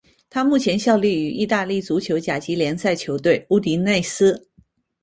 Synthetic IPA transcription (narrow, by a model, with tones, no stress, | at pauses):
t̪ʰa˥mu˥˩t͡ɕʰjɛ˧˥nɕjɑ˥˧ʊli˥˩y˨˩ʔi˥˧t̪a˥˧li˥˩t͡su˧˥t͡ɕʰjo˧˥ʊt͡ɕja˨˩t͡ɕi˧˥ljɛ˧˥nsa˥˩ɪt͡ɕʰjo˧˥ʊt̪we˥˩ɪu˥˩t̪i˧˥ne˥˩ɪsɹ̩˥